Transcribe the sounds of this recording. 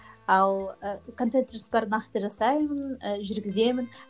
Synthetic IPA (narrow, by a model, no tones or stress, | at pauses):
ɑlˠəkʰo̞nt̪ent̪eɾsbɑɾnɑqt̪əʒɑsɑjmənəʒʏɾɡʲɪze̞mɪn